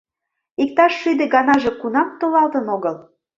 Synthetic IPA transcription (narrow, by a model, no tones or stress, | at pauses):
ik̚t̪ɑʃːyd̪ĕɡɑnɑʒe̽kunɑmt̪olɑlt̪ənoɣəl